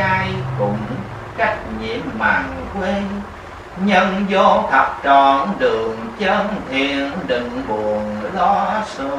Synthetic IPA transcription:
a˧jkʊ˨˩ŋ͡m | ka˦˥k̚ɲi˧˩˦əmːaː˨˩ŋkwe˧˦ | ɲə˧nzo˧˦t̪ʰə˨˩p̚t͡ɕɔ˧˨˩nɗɨ˨˩əŋt͡ɕə˧˥nt̪ʰi˧˨ənɗï˨˩ŋ̟ɓu˨˩ənlɔ˧˦sɨ˧˦

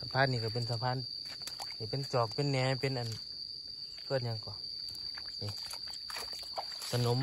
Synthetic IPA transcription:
sa˧˨pʰaː˧˥˨nːiː˧˨ka˧˩p̬e˧˨nsa˧pʰaː˧˥˨n | ka˧˨pe˧˨nt͡ɕɔː˨˩k̚pe˧˨nːɛː˧˦pe˧˨nʔa˨n | kʰɯː˧˨t̪̚ɲa˧˨ŋkɔ˨ | ni˧˨ | sʰa˧no˨˦m

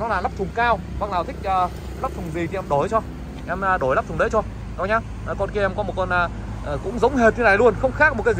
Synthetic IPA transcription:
nɔ˨˦laː˨˩la˦˥p̚t̪ʊ˨˩ŋ͡mkaː˧w | va˨˦˥k̚laː˨˩wt̪ʰï˦˥k̟̚ʔəː˨˩ | la˦˥p̚t̪ʰʊ˨˩ŋ͡mzi˨˩t̪i˨ɛ˧mɗo˨˩˦jt͡ɕɔ˧ | ʔɛ˧mː˨ɗo˨˩jla˦˥p̚t̪ʊ˨˩˨ɗə˨˦jt͡ɕɔ˧ | nɔ˨˦ɲaː˧˨˩ | kɔ˧˩nki˧˩ʔɛ˧˩mkɔ˨˦mo˨˩t̚kɔ˧˩naː˨˩˨ | kʊ̰˧˥ŋ͡mzə˨˦wŋ͡mɦe˨˩t̚ɲʰɨ˧na˨˩jlu˧ənxə˧wŋ͡mxaː˦˥k̚m˨˩t̚kːaː˨˦z

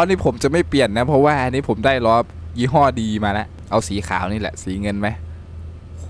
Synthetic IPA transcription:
ɔ˦˥˧ni˦˥pʰo˩˦mt͡ɕa˨˩ma˥˩jpli˨˩ənːa˦˥pʰɔ˦˥waː˥˩ʔa˧niː˦˥pʰo˩˦mdaː˥˩jlɔː˧pjiː˦˥ɦɔː˥˩diː˧maː˧la˦˥ʔ | ʔa˧wsiː˨˩˦xʰa̰ː˩˦wniː˥˩lɛ̰˨˩ʔsiː˩˦ŋɤ˧nma˦˥j

